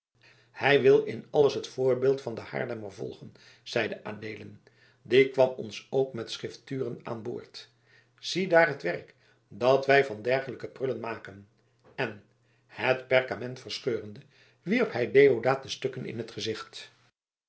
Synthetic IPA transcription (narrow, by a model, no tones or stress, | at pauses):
hɛjʋɪlˠɪnɑləsɦətfʊːɹbɪːlˠtfɑndəha̰ːɹdɛməɹvɔ̰lˠχən | z̥ɛjdəʔa̰ːdeːlən | dɪkʋɑmɔnsowkmɛtsχɪftyːrəna̰ːnbʊ̰ːɹt | z̥idaːrɦətʋɛrk | dɑtʋɛjvɑndɛrχələkəprɵlənmaːkən | ɛn | hətpɛɹkamɛntfərsχøːrəndə | ʋiɹphɛjdejodaːt̚dəstɵkənɪ̰nɦətχəzɪχt